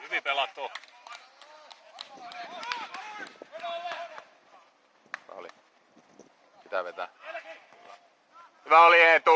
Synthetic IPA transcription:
hyʋipelɑt̪ːo | ʋæ̰o̰lḭ | pit̪æʋet̪æ | ʋæoliet̪u

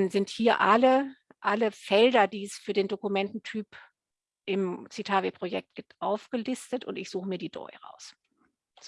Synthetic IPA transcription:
nzɪnthiːɐʔalə | ʔaləfɛldɐdiːɛsfyːɐdeːndokumɛntn̩tʰyːp | ʔɪmt͡sitʰaːvepʁ̥ojɛk̚t̚ɡ̥ɪp̚tʔaʊfɡ̥əlɪstətʊ̰ntɪçz̥uːχəmiːɐdiːdɔ̰ʏʁa̰ʊs | z

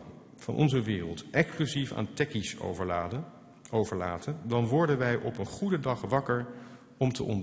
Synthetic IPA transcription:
v̥ɑ̰nʔɔ̰nzəʋɪːrəlˠtɛksklyzifa̰ːntɛkis | owvəɹlaːtəndɑnʋɔɹdənʋɛjʔɔpənχudədɑχʋɑkəɹ | ɔmtə̰ʔɔ̰n

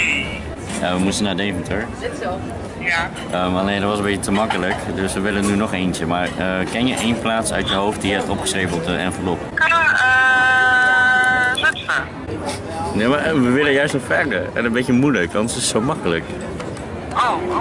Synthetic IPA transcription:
aʋəmustənaːdejvəntəɹ | j | ʔəmanejdɔtʋɑsəmbeətəmɑkələkdøsʋəʋɪlənynɔχejntəmaːɹəkɛnjəʔejnplaːtsœ̰ɥtjəɦowft̚diəɛtɔpχə̥sreːvəlˠtəɛ̰nvəɹlopəə | namaʋəʋɪləjœɥstnɔfɛrdəɹɛ̰nəmbet͡ʃəmujləkʋɑndsɪsːowmɑkələk | o

